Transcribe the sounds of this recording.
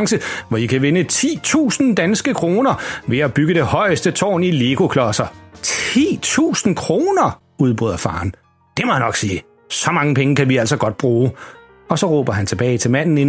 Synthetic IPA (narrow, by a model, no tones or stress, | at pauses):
ŋsəʋɒikʰæʋe̝nət͡sʰḭːt͡sʰṵːsn̩d̥ænsɡ̥əkʰʁo̝ːnɐʋe̝æb̥yɡ̥əd̥e̝hɒ̽ɪsd̥ət͡sʰɒ̰ːnileɡ̥o̝kʰlɒsɐt͡sʰḭːt͡sʰṵːsn̩kʰʁo̝ːnɐ | uðˠb̥ʁyð̰ˠɐfɑ̈ːn | d̥e̝mɒjænɒ̽ɡ̥siː | sɒ̽mɑ̈ŋəpʰeŋəkʰæʋiæl̰sɒɡ̥ɒ̽d̥̚b̥ʁuː | ɒ̽sɒ̽ʁɔ̰ːb̥ɐɦænt͡sʰe̝b̥ɛːɪt͡sʰe̝lmæn̰n̩e̝